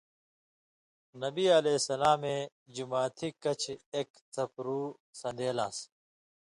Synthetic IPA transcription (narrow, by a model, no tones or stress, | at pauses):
nɐbiɐleːsɐlaːmẽ | d͡ʑumaːt̪ʰikɐt͡ɕʰeːk | t̪ʰɐpɾuː | sɐ̃nd̪eːlaːs